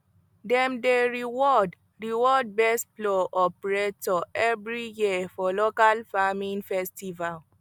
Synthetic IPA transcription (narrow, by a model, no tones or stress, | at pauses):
dɛ̃mdeɹiwɔd | ɹiwɔd̚bɛstplɔʔɔpɹetɔɛvɹijifɔlokalfamĩnfɛstival